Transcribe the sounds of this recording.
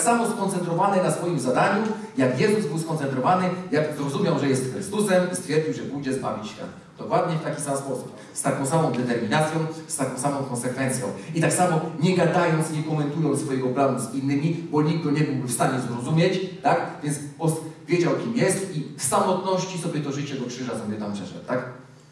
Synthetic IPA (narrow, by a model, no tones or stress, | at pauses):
ksamɔskɔnt̪sɛnt̪ɾɔvanɛnasfɔjimzad̪aɲujakjɛzuzbɘwskɔnt̪ɛnt̪̬ɾɔvanɘjakzɾɔzumʲjawʐɛjɛst̪xɾɘst̪usɛmist̪fʲjɛɾd͡ʑiwʐɛbujd͡ʑɛzba̰vʲit͡ɕɛ̰ | d̪ɔkwad̪ɲɛft̪akʲi̥samspɔsup̚ | st̪akɔ̃w̃samɔ̃w̃d̪ɛt̪ɛɾmʲinat̪sʲjɔ̃w̃st̪akɔ̃w̃samɔ̃w̃kɔnsɛkfɛnt̪sʲjɔ̰̃w̃it̪aksamɔɲɛɡad̪ajɔnt̪sɲɛkɔmɛnt̪ujɔ̃nsfɔjɛɡɔplanuzinːɘmʲibɔɲiɡ̚ɡɔɲɛbɘwbɘfst̪aɲɛzɾɔzumʲjet͡ɕt̪akvʲjɛnt̪spɔsvʲjɛd͡ʑawkʲimjɛst̪ifsamɔt̪nɔɕt͡ɕisɔbʲjɛt̪ɔʐɘt͡ɕɛd̪ɔkʂɘʐasɔbjɛt̪ampʂɛʂɛ̰t̪t̪ak